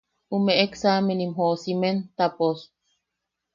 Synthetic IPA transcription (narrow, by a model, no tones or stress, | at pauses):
umeʔeksamenimɦosiment̪apos